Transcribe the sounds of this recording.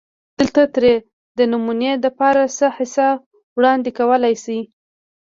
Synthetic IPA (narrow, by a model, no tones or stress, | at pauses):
d̪̥əlt̪at̪ɾe | d̪ənʊmuned̪əpɑɾasəhɪsa | wɽɑnd̪ɪkawəlajsi